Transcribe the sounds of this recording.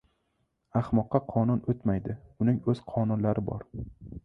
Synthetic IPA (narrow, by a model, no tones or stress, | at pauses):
aχmɒqːɑqʰɒnʊnot̪majd̪ɪʊnɪŋɵz̥qʰɒnʊnlaɾɪbɒ̰ɾ